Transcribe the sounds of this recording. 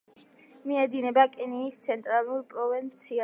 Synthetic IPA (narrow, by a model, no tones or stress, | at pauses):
miɛd̪inɛbakʼiniːst̪sʰɛnt̪ʼɾalˠuɾpʼɾɔvɛnt̪sʰia